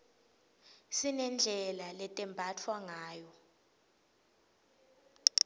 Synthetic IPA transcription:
sinɛnd͡ɮʱɛlalɛtʼɛmbʱatʰwaŋaːjɔ

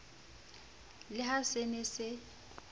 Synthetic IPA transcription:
lɪhasenɪsɪ

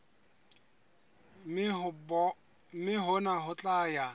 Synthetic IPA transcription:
b | mɪɦʊnaɦʊt͡ɬʼaja

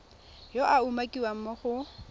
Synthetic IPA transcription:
joʔaumakʼiwam̩mɔχʊ

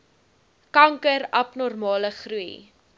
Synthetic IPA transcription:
kɐŋkəɾɐpnɔrmɑːləχrui

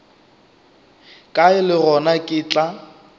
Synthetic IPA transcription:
kʼaɪlɪrɔnakʼɪt͡ɬʼa

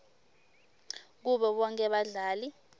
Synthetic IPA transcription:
k̬uɓɛɓɔŋkʼɛɓaɮaːli

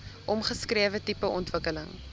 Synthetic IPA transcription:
ʔɔmχəskɾiəvətipəʔɔntvəkələŋ

